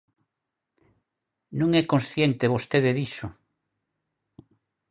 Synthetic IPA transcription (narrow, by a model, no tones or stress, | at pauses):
nũŋɛkõnsθjent̪eβost̪eðeðisʊ